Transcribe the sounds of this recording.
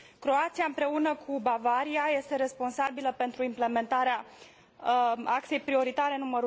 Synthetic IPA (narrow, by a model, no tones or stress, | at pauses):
kɾo̞at̪siaɨmpɾe̞unəkʰubavaɾiaje̞st̪e̞ɾe̞spo̞nsabiləpe̞nt̪ɾuimple̞me̞nt̪aɾea | ak̪se̞jpɾio̞ɾit̪aɾe̞numəɾu